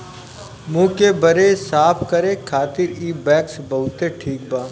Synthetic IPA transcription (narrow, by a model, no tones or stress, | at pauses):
mũːkebɐɾesaːpʰkɐɾẽkʰaːt̪ɪɾiːbɛːksbɐɦʊt̪eʈʰiːk̚baː